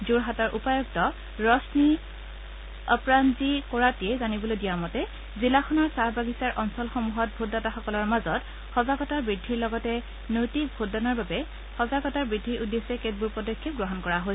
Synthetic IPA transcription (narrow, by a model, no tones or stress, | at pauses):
zuɹɦatɔɹʔupajɔɡ̚tɔ | ɹɔsni | ɔpɹanzikɔɹatiɛzanibɔlojdijamɔtɛ | zilaxʰɔnɔɹsaɹbaɡisaɹʔɔnsɔlxɔmuɦɔt̚bʱudataxɔkɔlɔɹmazɔt | xɔzaɡɔtaɹbɹidʱːiɹlɔɡɔtɛ | nojtik̚bʱudanaɹbabɛ | xɔzaɡɔtaɹbɹidʱːiʔudesɛket̚buɹpɔdɔkʰːip̚ɡɹɔɦɔnkɔɹaɦojs